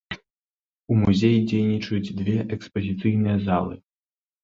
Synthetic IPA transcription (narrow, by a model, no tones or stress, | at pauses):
umuzʲejid͡zʲejnʲit͡ʂɐjud͡zʲd̪vʲeʔɛkspɐzʲit̪sɨjnɨjɐzalˠɨ